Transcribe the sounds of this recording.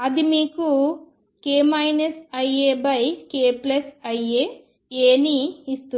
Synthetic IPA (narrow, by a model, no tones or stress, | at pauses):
ɐd̪imiːku | keːmɐjnɐsɐjeːbɐjkeːplɐsɐjeː | eːniːst̪u